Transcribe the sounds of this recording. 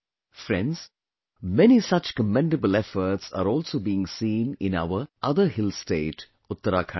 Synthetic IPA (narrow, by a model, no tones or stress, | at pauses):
fɾɛ̃nɖz̥ | mɛnisɐt͡ʃkəmɛ̃ɳɖəbəlɛfəɾʈsa̰ːɾɔːlsoːbiːɪ̃ŋsĩːnɪ̰̃na̰ʊʋəʔɐd̪əhɪlsʈeːʈ | ʊt̪ːəɾaːkʰa